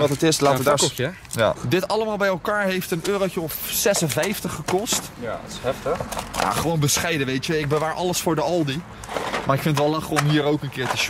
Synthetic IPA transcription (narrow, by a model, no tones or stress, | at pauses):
tətɪstlaːəd | adɪtɑləmaːlˠbɛjɛlˠkaːɹɦejftənøːrowt͡ʃəɔfsɛsənvɛjftəχːəkɔst | jhɛftəχja̰χəʋownbəsχɛjdəʋejtjəɪɡ̚bəʋaːɹʔɑləsfʊːɹdəɑlˠdi | maːɹɪkfɪntətʋɛlˠɑχəɔmɦiːɾowkənkɪːɹtəʃ